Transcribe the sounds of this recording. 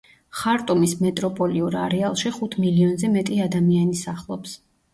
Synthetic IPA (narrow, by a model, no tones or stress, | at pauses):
χaɾt̪ʼumismɛt̪ʼɾɔpʼɔliuɾaɾɛalˠʃiχut̪ʰmiliɔnzɛmɛt̪ʼiad̪amianisaχlˠɔps